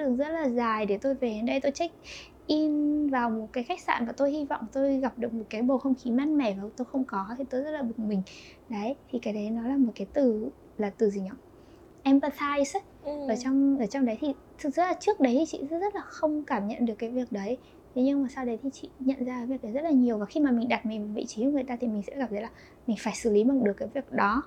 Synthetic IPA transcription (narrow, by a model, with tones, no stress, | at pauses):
ɗɨ˨˩əŋzə˦˥t̚laː˨˩zaː˨˩jɗe˧˩t̪o˧jve˨˩e˨˦nɗə˧jt̪o˧jt͡ɕa˦˥k̟̚ | ʔi˧nvaː˨˩wmo˨˩t̚kaː˨˦jxa˦˥k̟̚sa̰ː˧˩nmaː˨˧˩t̪o˧jhi˧vɔ̰˧˨wŋ͡mt̪o˧jɣa˨˩p̚ɗɨ˨˩ək̚mo˨˩t̚kaː˨˦jɓo˨˩xə˧wŋ͡mxi˨˦maː˧˥nmɛ˧˩vaː˨˩˨t̪o˧jxə˧wŋ͡mkɔ˨˦t̪ʰi˨˩t̪o˧jzə˦˥t̚laː˨˩ɓɨ˨˩ŋ̚mï˨˩ŋ̟ | ɗə˨˦jt̪ʰi˨˩kaː˨˦ɗə˨˦jnɔ˨˦laː˨˩mo˨˩t̚kaː˨˦jt̪ɨ˨˩ | laː˨˩t̪ɨ˨˩zi˨˩ɲɔ̰˧˨ | ʔɛ˧mpə˧t̪ʰaː˧js | ʔəː˧˩t͡ɕɔ˧wŋ͡mʔəː˧˩t͡ɕɔ˧wŋ͡mɗə˨˦jt̪ʰi˨˩ | t̪ʰɨ˨˩zɨ̰˧˥laː˨˩t͡ɕɨ˦˥ək̚ɗə˨˦jt̪ʰi˨˩t͡ɕḭ˧˨˦zə˦˥t̚laː˨˩xə˧wŋ͡mkaː˧˩mɲə̰˧˨nɗɨ˨˩əkːaː˨˦jvi˨˩ək̚ɗə˨˦j | t̪ʰe˨˦ɲɨ˧ŋmaː˨˩saː˧wɗə˨˦jt̪ʰi˨˩t͡ɕḭ˧˨ɲə̰˧˨nzaː˧kːaː˨˦vi˨˩ək̚ɗə˨˦jzə˦˥laː˨˩ɲi˨˩əwvaː˨˩xi˧maː˨˩mï˨˩ŋ̟ɗa˨˩t̚mi̟˨˩vaː˨˩vḭ˧˨t͡ɕi˨˦˧ŋɨ˨˩əjt̪aː˧t̪ʰi˨˩mï˨˩ŋ̟sɛ̰˧˥ɣa˨˩p̚zə˨˦jlaː˨˩ | mï˨˩ŋ̟faː˧˩jsɨ˧˩li˨˦mə˨˧˩ɗɨ˨˩əkːaː˨˦jvi˨˩ək̚ɗɔ˨˦